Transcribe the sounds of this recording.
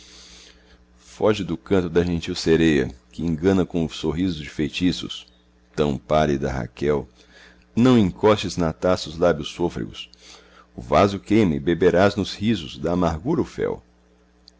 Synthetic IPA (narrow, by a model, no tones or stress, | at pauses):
fɔʒɪd̪ʊkɐ̃nt̪ʊd̪ɐʒẽnt͡ʃiwseɾejɐ̰kɪẽŋɡɐ̃nɐkõʊsoɦizʊzd͡ʒɪfejt͡ʃisʊ̰s | t̪ɐ̃w̃palid̪ɐɦa̰kɛw | nɐ̃w̃ẽkɔst͡ʃɪznat̪asʊzlabjʊsːofɾɪ̰ɡʊ̰s | ʊvazʊkẽmɪbebeɾaznʊshizʊzd̪ɐːmaɾɡuɾʊfɛ̰w